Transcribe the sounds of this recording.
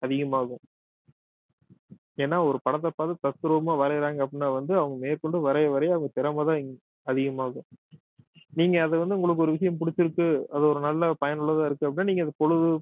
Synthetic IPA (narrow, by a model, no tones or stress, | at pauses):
ɐðɪɣɐmaːɣɯ̃ | eːnːaːɔɾɯpɐɽɐt̪̬ːɐpːaːt̪ɯt̪ɐsɯɾɐʋɐmaːʋɐɾɐɾaːŋɡɐp̬ːɐɽɪnːaːʋɐnd̪ɯɐʋɐŋɡɐmeːɾkɔɳɖɯʋɐɾɐjɐʋɐɾɐjɐʋɐŋɡɐt̪ɛɾɐmɐðãːɪ | ɐðɪɣɐmaːɣɯ̃ | niːŋɡɐːðɛʋɐnd̪ɯʊŋɡɐɭɯk̬ːɯɔɾɯʋɪʂɐjɐmpʊɽɪt͡ʃːɪɾɯkːɯɐðɔɾɯnɐlːɐpɐjɐnɯɭːɐðãːɪɾɯkːɯɐpːɐɽɪnːaːniːŋɡɐðɐpɔɻɯðɯ